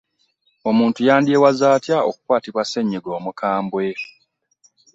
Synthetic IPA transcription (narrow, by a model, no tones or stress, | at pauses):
o̞muːntujaːndiewazaːtjao̰kukwaːtiβwase̞ɲːeɡo̞ːmukʰaːmbwe̞